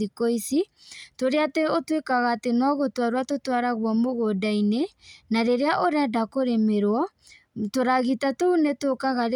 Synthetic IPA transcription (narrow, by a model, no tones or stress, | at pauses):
ikoisi | toɾeateotwekaɣaːtenɔɣotwaɾwatotwaɾaɣwɔmoɣodainenaɾeɾeaʔoɾeadakoɾemeɾwɔ | toɾaɣitatounetokaɣaɾe